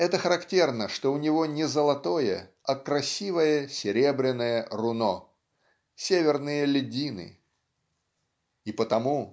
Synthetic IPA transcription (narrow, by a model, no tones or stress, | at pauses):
ɛt̪əxəɾɐktʲe̞rnəʂt̪o̞ʊnʲɪvo̞nʲɪzəlˠɐt̪o̞jə̰ | ɐkɾɐsʲivəjəsʲɪɾʲe̞bɾʲɪnːəjərʊno̞ | sʲevʲɪrnɨjəlʲɪdʲinɨ̰ | ipət̪ɐmu